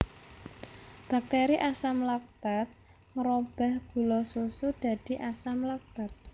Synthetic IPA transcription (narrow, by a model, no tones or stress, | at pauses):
b̥a̤k̚t̪eɾiʔasamlak̚b̥at̪̚ | ŋəɾob̥a̤hɡ̥ṳlɔsusud̪̥a̤d̪̥i̤ʔasamlak̚b̥at̪̚